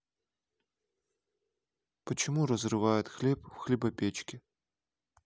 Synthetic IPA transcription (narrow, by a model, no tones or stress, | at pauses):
pɐt͡ʃɪmuɾɐzrɨʋajʊt̪ʲxlʲɛpwxlʲibɐpʲɛt͡ʃkʲi